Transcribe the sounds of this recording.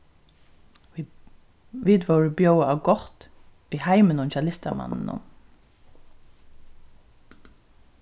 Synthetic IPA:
ʋiːd̪ʋoːɹəbjœʊəɑːɡɔʁt̪ʋiːhæɪmənʊnçɑlɪst̪əmɑ̰nn̩ʊ̰m

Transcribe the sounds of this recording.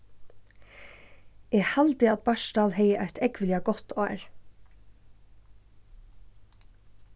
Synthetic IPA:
ɛːhalt̪ɪat̪̚bɑʃt̪ɑːlhɛjəʔæɪt̪ɛkʋlɪaɡɔt̪ɑːɹ

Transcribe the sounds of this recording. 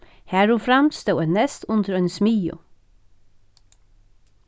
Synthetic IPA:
hæːɾʊfɾamst̪ɛwɛnɛst̪ʊnt̪əɾœʏnsmiːjʊ̰

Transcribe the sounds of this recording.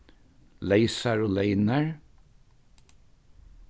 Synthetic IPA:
leɪsəɹoːleɪnəɹ

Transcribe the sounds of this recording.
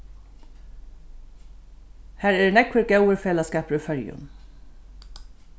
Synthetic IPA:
hæːɾæːnɛkʋəɾɡawəɾfeːlaskɑːpɾʉfœɾjʉ̰n

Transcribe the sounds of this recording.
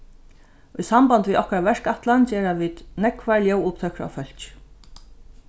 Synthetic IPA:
ʊjsampant̪viːðɔhkɾavɛʂkat̪lant͡ɕɛːɾaviːt̪nɛkvaljɔwʊp̚t̪ʰœkɾa̰fœl̥t͡ʃ

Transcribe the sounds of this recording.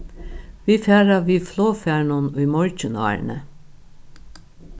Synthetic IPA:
ʋiːfæːɾɑʋiːfloːfæːɳʊnʉːmɔɹcənɑ̰ːɹɳə

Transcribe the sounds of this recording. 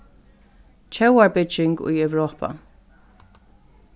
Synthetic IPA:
t͡ʃʰɛwaɹbɪt͡ʃɪŋkʊ̰jɛwɹoːpa̰

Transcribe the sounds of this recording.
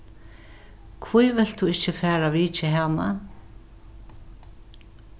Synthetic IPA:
kʰvujvɪl̥t̪ʰuɪht͡ɕɪfɛːɾaviːt͡ʃɪɦana

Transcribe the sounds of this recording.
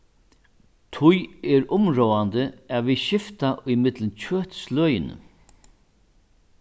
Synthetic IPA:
t̪ʰʊjɛɾʊmɹɔːand̪əaʋiɕɪft̪aʔʊjmɪt̪lənt͡ɕʰøːht̪slœːjɪnə̰

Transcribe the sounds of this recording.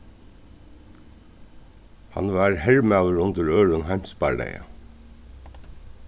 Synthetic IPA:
hɑ̰nʋɑːɹhɛɹmɑʉəɹʊnt̪əɹøːɹʊnhɑɪmspɑ̰ɖḛɪə̰

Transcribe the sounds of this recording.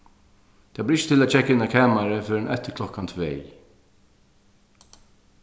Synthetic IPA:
t̪ʰaːblɪɾɪçə̥t̪ʰɪlaːt͡ʃʰɛkːaɪnːakʰæːmaɾəføːɾənʔɛt̪ːəɾkʰlɔkant̪ʰveː

